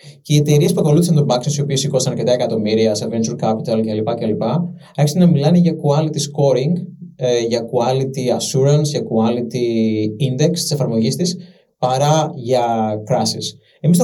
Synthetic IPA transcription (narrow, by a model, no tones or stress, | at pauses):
ce̞ie̞t̪e̞ɾie̞spuɐko̞luθisɐnt̪obɐksinsio̞pisikosɐnɐɾce̞t̪ɐe̞kɐt̪o̞miɾiɐsɐɾvent͡ʃuɾkɐpit̪ɐlceɐlipɐceɐlipɐ | eçest̪enɐmilɐneʝɐkuɐlit̪isko̞ɾiŋɡʝɐkuɐlit̪iɐsuɾɐnsʝɐkuɐlit̪iind̪e̞kst̪i̥sefɐɾmo̞ʝist̪is | pɐɾɐʝɐkɾɐsis | e̞mis